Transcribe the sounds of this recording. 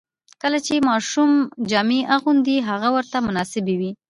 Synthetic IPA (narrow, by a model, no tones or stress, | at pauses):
kəlat͡ʃemɑʃumd͡ʒɑmeʔaɣund̪iɦaɣawəɾt̪amʊnɑsɪbewi